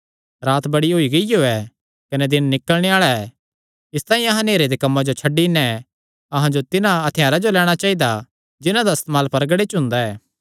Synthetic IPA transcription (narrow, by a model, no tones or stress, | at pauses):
ɾaːt̪bɐɽiɦoːiɡɐijoːɛ | kɐnɛd̪ɪnːɪkːəlɽ̃eaːɭaɛ | ɪst̪aːĩɐɦãneːɾed̪ekɐmːad͡ʒot͡ʃʰɐɖinɛ | ɐɦãd͡ʒot̪ɪnãɐt̪ʰɪjaːɾad͡ʒolɛːɽ̃at͡ʃaːid̪a | d͡ʒɪnãd̪aɐst̪maːlpɐɾɡəɽet͡ʃɦʊ̃nd̪aɛː